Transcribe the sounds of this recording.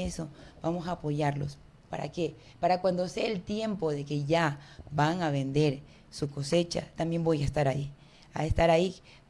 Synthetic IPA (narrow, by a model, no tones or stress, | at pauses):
eso̞bamo̞saːpo̞ʝaɾlo̞̰s | paɾa̰ke | paɾakwand̪oseelt̪je̞mpo̞ðe̞ke̞ʝabaŋaβe̞nd̪e̞ɾ | suko̞se̞t͡ʃa̰t̪ambje̞mbo̞jaest̪aɾai | aest̪aɾai